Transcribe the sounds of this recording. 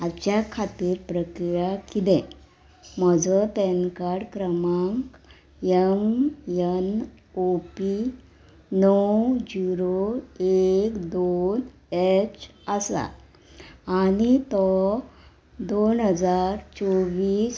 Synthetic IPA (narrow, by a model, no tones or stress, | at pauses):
at͡ɕjakʰat̪iːɾpɾəkɾijakid̪ɛ̃ | m̤əd͡zɔt̪ɛnkaɽkɾəmaŋk | emjən | opi | nɔwd͡ʑuɾoekd̪on | et͡ɕəsa̰ː | ɽit̪ɔ | d̪onɦəd͡zaɾt͡sɔʋiːs